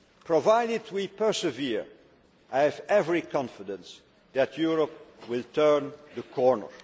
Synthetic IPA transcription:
pʰɹɔvaɪdɪdwipə˞səviɹ | ʔaɪvɛvɹikʰɑ̃nfɪdə̃ns | ðætʰjuɹɔpwɪlˠtʰɜ˞nðəkʰɔɹnə̰˞

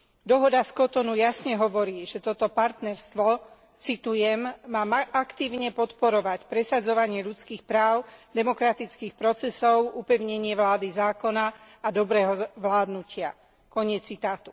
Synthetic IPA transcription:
d̪ɔɦɔd̪askɔt̪ɔnujasɲɛɦɔʋɔɾiːʒ̥ɛt̪ɔt̪ɔpaɾt̪nɛɾst̪ʋɔ | t͡sit̪ujɛmmaːmakt̪iːʊɲɛpɔt̪pɔɾɔʋacpɾɛsad͡zɔʋaɲɪɛʎut͡skiːxpɾaːʊd̪ɛmɔkɾat̪it͡skiːxpɾɔt͡sɛsɔʊupɛʊɲɛɲɪɛʋlaːd̪izaːkɔna | ad̪ɔbɾɛːɦɔʋlaːd̪nucɪa | kɔɲɛt͡sːit̪aːt̪u

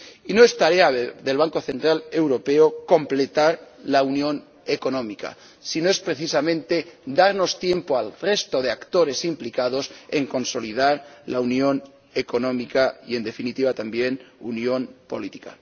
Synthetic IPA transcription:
inoest̪aɾeaðelβaŋko̞θe̞nt̪ɾale̞wɾo̞peokõ̞mple̞t̪aɾlaunjõ̞n | eko̞nõmika̰ | sinoe̞spɾeθisamẽnt̪e̞d̪aɾno̞st̪je̞mpoalre̞st̪oð̞e̞akt̪o̞ɾe̞simplikað̞o̞sḛŋko̞nso̞liðaɾlaunjo̞n | eko̞nõ̞mikaḭe̞nd̪e̞finit̪iβ̞at̪ambje̞nunjo̞npo̞̰lit̪i̥ka̰

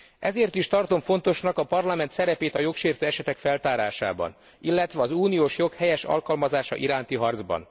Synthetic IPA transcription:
ʔɛzeːrt̪iʃt̪ɒrt̪o̞ɱfo̞nt̪o̞ʃnɒkɒpɒrlɒmɛnt̪sɛɾɛpeːt̪ɒjo̞kʃeːrt̪øːɛʃɛt̪ɛkfɛlt̪aːɾaːʃa̰ːbɒ̰n | ilːɛt̪ʋɛɒzuːnijoːʃjo̞khɛjɛʃɒ̰lkɒlmɒzaːʃɒ̰ʔiɾaːnt̪iɦɒrd̪zbɒ̰n

